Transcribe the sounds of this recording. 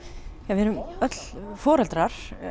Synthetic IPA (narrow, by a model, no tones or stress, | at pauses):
javɛɾʏmœt̪lfɔːɾɛlt̪ɾaɾ̥